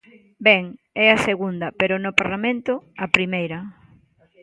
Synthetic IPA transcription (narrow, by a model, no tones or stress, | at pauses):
bɛŋ | ɛɐseɣund̪ɐpeɾʊnʊpaɾlamẽnt̪ʊɐpɾimejɾɐ